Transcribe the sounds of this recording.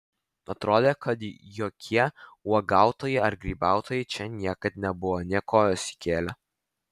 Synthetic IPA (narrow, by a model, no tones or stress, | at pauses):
ɐt̪ɾoːd̪ʲeːkɐt̪joːkʲʰiɛuɔɡɑˑʊt̪oːjɛɐɾɡɾʲiːbɑˑʊt̪oːjɛɪt͡ʃʲɛnʲiɛkɐt̪nʲɛbʊʋonʲiɛkoːjoːsʲɪ̥kʲeːlʲɛ